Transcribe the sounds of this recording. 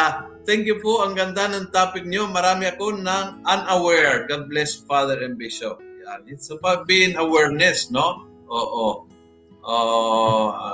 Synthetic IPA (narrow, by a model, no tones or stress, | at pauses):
a | t̪ɛŋkjʊpoʔɐŋɡɐnd̪anɐŋt̪aːpɪk̚ɲomɐɾaːmɪɐko̞nɐŋʔɐnɐwɛɹɡad̪̚blɛsfad̪ɛɹɐnbɪʃop̚janɪt̪sɐbawt̪̚biːɪŋɐwɛɹnɛsno | ʔoːʔo | ʔoːʔo